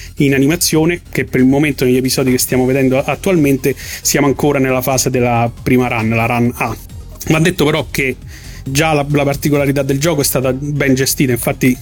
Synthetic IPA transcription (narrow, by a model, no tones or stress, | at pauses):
inanimat̪sːjoːnek̟epːeɾilmoment̪oneʎːepizɔːd̪ikest̪jaːmoved̪ɛnd̪oʔat̪ːualment̪esjaːmoaŋkoːɾanelːafaːsed̪elːapɾiːmaɾanːlaɾanːa | vand̪et̪ːopeɾɔk̟ːe | d͡ʒalalapart̪ikolaɾit̪ad̪ːeld͡ʒɔːkoɛst̪aːt̪abɛnd͡ʒest̪iːt̪aiɱfat̪ːi